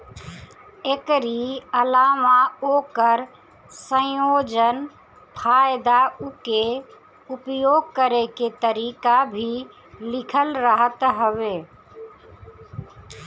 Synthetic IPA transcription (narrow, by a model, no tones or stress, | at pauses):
ekɾiəlaːmaoːkəɾ | sə̃joːd͡ʒən | pʰaːɪd̪aʊke | ʊpjoːɡ̚kəɾeket̪əɾiːkabʱi | lɪkʰəlɾəɦət̪ɦəʋeː